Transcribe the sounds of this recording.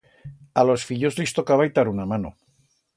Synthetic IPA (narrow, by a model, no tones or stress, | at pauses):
alo̞sfiʎozlist̪okaβajt̪aɾunamano̰